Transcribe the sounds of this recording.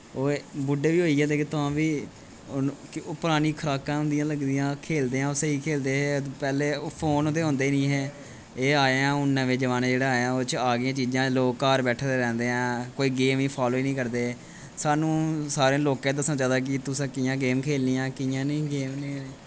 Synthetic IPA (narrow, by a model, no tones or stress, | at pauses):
oːbʊɖeːʋiːɦoːiːɡɛːd̪eːket̪ʊãːʋiː | koːpəɾaːniːkʰəɾaːkãːɦʊ̃nd̪ɪjãːləɡd̪ijãːkʰeːld̪eːãːosəiːkʰeːld̪eːɦɛːpɛːleːopʰoːnoːt̪eːɦʊ̃ːnd̪eːnĩːɦɛː | eːaːãːʊnːə̃ʋeːd͡ʒəʋaːnẽːd͡ʒeːɽaːaːeãːoːt͡ʃaːɡɪjãːt͡ʃiːd͡ʒãːloːkːaːɾbɛːʈʰːd̪eːɾɛ̃ːnd̪eːɦãːkoːiːɡeːmĩːpʰaːloːiːnĩːkəɾd̪eː | saːnũːsaːɾẽːloːkãːd̪əsə̃d͡ʒaːd̪aːk̬ɪt̪ʊsãːkɪjãːɡeːmkʰeːlnijãːkɪjãːnĩːɡeːmnĩːeː